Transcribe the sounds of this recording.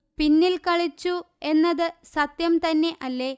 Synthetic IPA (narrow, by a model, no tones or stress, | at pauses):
pinːilkɐɭit͡ɕːu | e̞nːɐðɨsɐt̪jɐmt̪ɐnːe̞ʔɐlːe̞